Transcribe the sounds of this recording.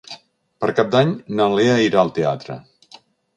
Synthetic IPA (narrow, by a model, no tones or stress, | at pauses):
pəɾkap̚d̪aɲnəleəiɾaəlˠt̪ea̰t̪ɾə̰